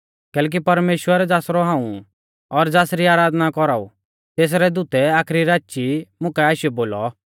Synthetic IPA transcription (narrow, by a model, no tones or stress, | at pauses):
kɛːlɛk̬ipɐɾmeːʃwəɾɛd͡zaːsɾɔɦãːũ | ɔɾd͡zaːsɾiaːɾaːd̪nakɔɾaːṵ | t̪eːs̬ɾɛd̪ut̪ɛaːkʰɾiɾaːt͡ʃimʊ̃kɛaːʃijɛboːlɔ